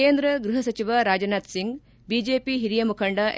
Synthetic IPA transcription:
eːnd̪ɾɐɡɾuɦɐsɐt͡ʃiʋɐɾaːd͡ʒɐnaːt̪siŋɡ | bid͡ʒeːpiɦiɾijɐmukʰɐɳɖɐʔ

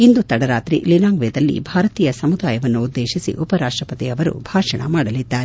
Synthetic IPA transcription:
ind̪ut̪ɐɽɐɾaːt̪ɾḭlinaːŋɡʋɛːd̪ɐlːḭbʱaːɾɐt̪iːjɐsɐmud̪aːjɐʋɐnːuːd̪ːeːʃisḭʔupɐɾaːʂʈɾɐpɐt̪iɐʋɐɾṵbʱaːʂɐɳɐ̰maːɽɐlid̪ːaːɾe

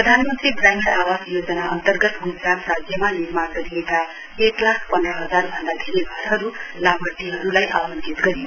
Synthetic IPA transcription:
rʌd̪ʱanmʌnt̪ribrajmʌɾawasjod͡zʌnaʌnt̪ʌrɡʌt̪ɡud͡zɾaprad͡zjʌmanirmarɡʌɾijeka | eklakʰpʌnd̪rʌɦʌd͡zarbʱʌnd̪akʰeɾiɡʱʌɾɦʌɾulabʌt̪ːiɦʌɾulajʔa̰lʌntit̪ɡʌɾi

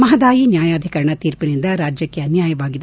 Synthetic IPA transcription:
mɐɦɐd̪aːjinjaːjaːd̪ʱikɐɾɐɳɐt̪iːɾpinind̪ɐɾaːd͡ʒjɐkːeɐnjaːjɐʋaːɡid̪e

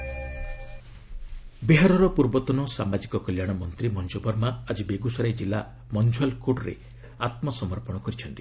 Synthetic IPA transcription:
beɦaɾɔɾɔpuɾbɔt̪ɔnɔsamad͡ʒikɔkɔljaɽ̃ɔmɔnt̪ɾimɔnd͡ʒubɔɾmaːd͡ʒibeɡusɔɾajd͡ʒilːa | mɔnd͡ʒualkoʈɾḛ | at̪mɔsɔmɔɾpɔɽ̃ɔkɔɾit͡ʃʰɔnt̪i̥

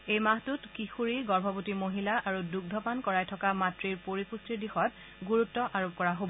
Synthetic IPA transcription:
ejmaɦtutkixuɹiɡɔɹbʱɔbutimoɦilaʔaɹuduɡ̚dʱɔpankɔɹajtʰɔkamatɹiɹpoɹipustiɹdixɔt | ɡuɹutːɔʔaɹob̚kɔɹaɦobɔ

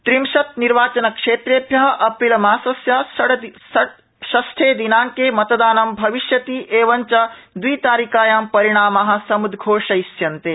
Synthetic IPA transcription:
t̪ɾimʃɐt̪̚niɾʋaːt͡ʃɐnɐkʂeːt̪ɾeːbʱjɐɦɐ̆ʔɐpilɐmaːsɐsjaːʃɐɽ | ɐ | ʃɐsʈ̪ʰeːd̪inaːŋkeːmɐt̪ɐd̪aːnɐmbʱɐʋiʃjɐt̪iːʔeːʋɐɲt͡ʃɐd̪wiːt̪aːɾikaːjaːmpɐɾiɽ̃aːmɐɦɐ̆sɐmud̪ʱɡʱoːʂɐisjɐnt̪eː

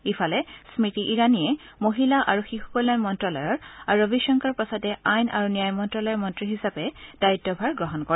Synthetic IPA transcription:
ifʰalɛsmitiʔiɹaniɛ | moɦilaʔaɹuxixu̥kɔlajmɔntɹɔlɔjɔɹaɹobiʃɔŋkaɹpasɔtɛajnʔa̰ɹunijajmɔntɹɔlɔjɔɹmɔntɹiɦisapɛd̥aitːɔbʱaɹɡɹɔɦɔnkɔɹɛ

